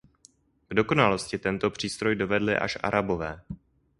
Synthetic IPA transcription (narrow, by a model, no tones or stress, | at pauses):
ɡ̥do̞ko̞nalo̞scɪt̪ɛnt̪o̞pr̝̥iːst̪ɾo̞jdo̞vɛdlɪ̰ʔa̰ʃʔa̰ɾabo̞vɛː